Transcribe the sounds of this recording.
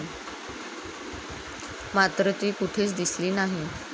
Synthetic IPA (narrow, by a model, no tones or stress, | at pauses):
mat̪ɾət̪iːkuʈʰeːt͡sd̪isliːnaɦi